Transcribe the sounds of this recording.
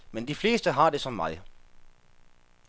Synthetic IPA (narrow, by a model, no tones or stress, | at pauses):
mend̥ifle̝ːsd̥əɦɑ̈d̥e̝sɒ̽mmɑ̈ɪ